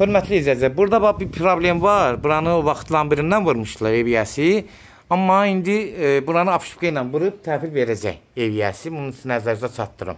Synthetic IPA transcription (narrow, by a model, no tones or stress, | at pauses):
høɾmæt̪ʰliizæd͡ʒæjbuɾd̪ɑbɑbipʰɾoblʲe̞mvɑɾbuɾɑnɯvɑxt̪ʰlˠɑnbiɾind̪ænvɯɾmɯʃt̪ɯlˠɑɾevijæsi | ɑmːɑind̪ibuɾɑnɯɑpʃu̥pɡejnɑnvɯɾɯb̚t̪ʰæːfilveɾæd͡ʒæ̰j | evijæsibununsinæzæɾzæt͡ʃʰɑt̪ːɯɾɯ̰m